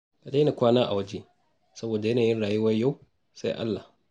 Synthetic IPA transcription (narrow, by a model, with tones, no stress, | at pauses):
ka˨de˦na˨kʷaː˦naː˦ʔa˨wɐ˦d͡ʒe˦ | sɐ˦boː˨da˨jɐ˦naː˨jɪ˦nɽaː˨ju˦wɐ˦jjːa˦˨w | sa˦jʔa̰˦lːa˨